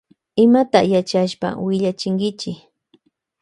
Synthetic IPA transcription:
ɪmat̪ajat͡ʃaʃpa̰wɪʎat͡ʃɪŋkɪt͡ʃɪ

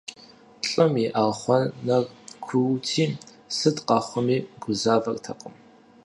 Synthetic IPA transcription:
ɬʼɐmiʔaʁχʷɔnɐrkʷʰuwtʰiː | sɨdqɑχʷɔmiːɡʷʊzaːvɐrtʰɐqʼəm

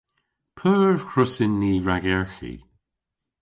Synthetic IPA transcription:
pʰəːɹkʰɹʊsɪnːiːɹaɡɛɹxḭ

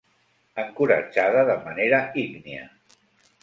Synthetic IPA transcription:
əŋkuɾə̰d͡ʒaðəðəmaneɾəikniə̰

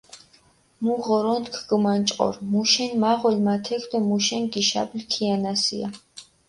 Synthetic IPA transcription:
muʁɔɾɔnt̪kʰɡmant͡ʃʼqʼɔ̰ɾmuʃɛnmaʁɔlmat̪ʰɛkʰd̪ɔmuʃɛnɡiʃa̰blkʰianasḭa̰

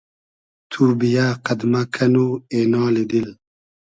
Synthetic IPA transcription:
t̪ʰubijaːqad̪makʰanuenɑːlid̪il

